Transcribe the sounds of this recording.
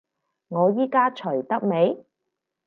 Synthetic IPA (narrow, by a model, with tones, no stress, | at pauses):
ŋɔː˨˧jiː˥kaː˥t͡ʃʰɵ˨˩ɥt̪ɐ˥k̚me˨˧j